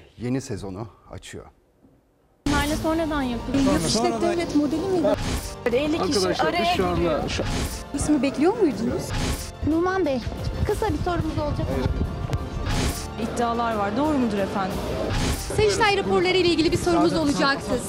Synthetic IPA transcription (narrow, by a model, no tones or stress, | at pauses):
je̞nisezo̞̰nua̰t͡ʃʰɯjo̰ | nˠaɾlʲɛsonɾad̪anjapʰɯljakiʃt̪ɛd̪elʲɛt̪mo̞d̪elʲimid̪iad̪iɛlʲːikʰiiaɾaji | ismibɛclʲijo̞mujd̪unuz̥ | numanbɛkʰɯsabiso̞ɾumuzo̞lˠd͡ʒak̪ | id̪ːiaːlˠaɾvaɾd̪o̞ːɾumud̪uɾefænd̪imset͡ʃsʲæjɾapʰo̞ɾlˠaɾɯjlʲeilʲɟʲilʲibiso̞ɾumuzo̞lˠud͡ʒaksɯz̥